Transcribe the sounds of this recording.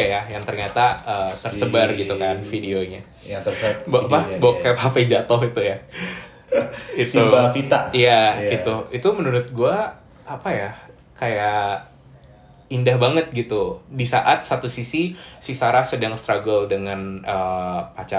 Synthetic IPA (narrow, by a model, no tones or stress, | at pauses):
ajajaŋt̪ərɲat̪aət̪ərsəbarɡit̪ukanfideoɲa | t̪əsbpabokːapafəd͡ʒat̪ɔhit̪uja | ɡist̪upafit̪aijaɡiuit̪umənuɾʊt̪̚ɡuaː | paja | kaja | indahbaŋət̪̚ɡit̪udisa̰ʔat̪̚sat̪usisisisaɾahsədaŋst̪ɾaɡəldəŋanəpat͡ʃa